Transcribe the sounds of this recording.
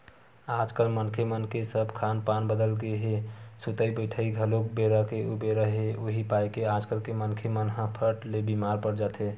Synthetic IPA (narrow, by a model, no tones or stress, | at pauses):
ad͡ʒkəlmənkʰemənkesəbkʰanpanbəd̪əlɡeɦesut̪əibəjʈʰəiɡʱəlokbeɾəkeubeɾəɦeoɦipajkead͡ʒkəlkemənkʰemənɦə̃pʰəʈlebimaɾpəɾd͡ʒat̪e